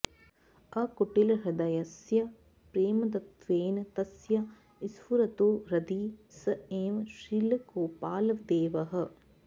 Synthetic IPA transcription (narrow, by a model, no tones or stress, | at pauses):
ɐkoʈilɾɐd̪ɐjɐsjɐ | pɾeːmɐd̪ɐt̪ʋeːnt̪ɐsjɐ | isfuɾɐt̪oːɾɐd̪iːsɐeːmʃilkoːpaːlɐʋd̪eːʋɐɦɐ̆